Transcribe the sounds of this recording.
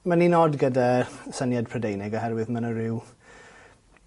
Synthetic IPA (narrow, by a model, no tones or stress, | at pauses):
maninoːdɡədasənjadpʰr̥ədejnɪɡɔɦɛɾwɪðmanəɾɪw